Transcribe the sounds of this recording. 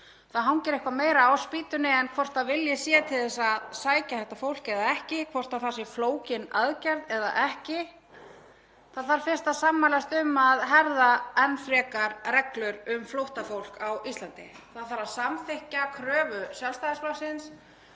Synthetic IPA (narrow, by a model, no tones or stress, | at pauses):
θaðɦawncɛɾehkvameːjɾaawspiːt̪ʏnɪɛnkʰvɔr̥t̪θavɪljɛsjɛːt̪ʰɪlθɛsːaðsaːjcaθɛht̪ːafowl̥cɛðaɛhcɪkʰvɔr̥t̪aθasɪfloːwcɪnaðcɛɾðɛða̰ʔɛhcɪ | θaðθaɾ̥fɪn̥st̪aðsamːalɛst̪ʏmːaðɦɛɾðaɛnfɾɛːkaɾrɛklʏɾʏmflowht̪afowl̥kawist̪lant̪ɪ̰θaðθaɾaðsamfɪhcakʰɾœːvʏsjɛlst̪aɪsplasɪns